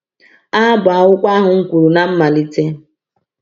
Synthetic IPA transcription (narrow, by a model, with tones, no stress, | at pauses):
a˦bʊ˨a˨ʊ˦kʷa˦ɦʊ˨ŋ̩˦kʷu˨ɾu˨na˦m̩˦ma˨li˦te˦